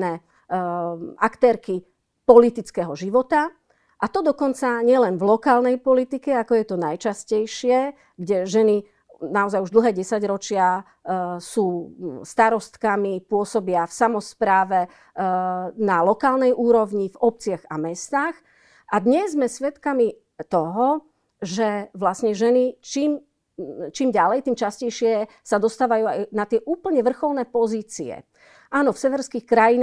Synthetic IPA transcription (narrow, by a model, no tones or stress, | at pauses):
nɛ | ʔakt̪ɛːɾki | pɔlit̪it͡skɛɦɔʒiʋɔt̪a | ʔat̪ɔd̪ɔkɔnt͡saɲɪɛlɛnvlɔkaːlnɛjpɔlit̪ikɛakɔjɛt̪ɔnajt͡ʃascɛjʃɪɛ | ɡɟɛʒɛni | naɔzajuʒd̪l̩ɦɛːɟɛsaɟɾɔt͡ʃɪa | suːst̪aɾɔst̪kamipʊɔsɔbɪafsamɔspɾaːʋɛ | nalɔkaːlnɛjʔuːɾɔʋɲivɔp̚t͡sɪaɣamɛst̪aːx | ʔad̪ɲɛzzmɛsʋɛt̪kami | t̪ɔɦɔ | ʒɛʋlasɲɛʒɛnit͡ʃiːm | t͡ʃiːmɟalɛjt̪iːmt͡ʃascɛjʃɪɛ | sad̪ɔst̪aːʋajuːajnat̪ɪɛʔuːpl̩ɲɛʋr̩xɔlnɛːpɔziːt͡siɛ̰ | ʔaːnɔfsɛʋɛɾskixkɾajin